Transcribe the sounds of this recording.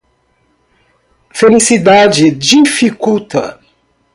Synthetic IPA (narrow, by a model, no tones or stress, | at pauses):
felisid̪ad͡ʒɪd͡ʒifikut̪ɐ̰